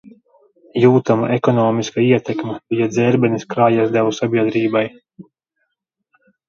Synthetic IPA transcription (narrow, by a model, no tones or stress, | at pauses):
juːt̪ama̰ʔɛkɔnɔːmiskaiɛt̪ɛkmɛbijad̪zɛɾbɛniskɾaːjasd̪ɛwusabʲiɛd̪ɾiːbaj